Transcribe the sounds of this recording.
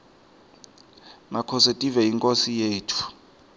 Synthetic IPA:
makʰɔsɛtʼivɛiŋkʼosijeːtʰu̥

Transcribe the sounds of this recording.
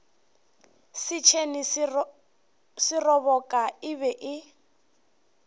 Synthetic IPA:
sɪt͡ʃʰeni | sɪrɔβɔkʼaɪβɛʔɪ

